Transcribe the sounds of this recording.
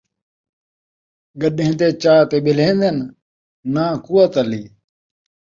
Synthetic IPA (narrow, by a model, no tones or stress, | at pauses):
ɡəɗẽt̪eːt͡ɕaːt̪ebilẽːnd̪en | nãːkuwɐt̪ɐliː